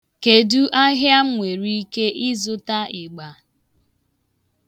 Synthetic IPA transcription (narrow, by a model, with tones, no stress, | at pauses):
ke˨du˦ʔa˦ɦja˦ŋʷe˨ɾi˦i˦ke˦ʔɪ˦zʊ˦ta˦ɪ˨ɡ͡ba˨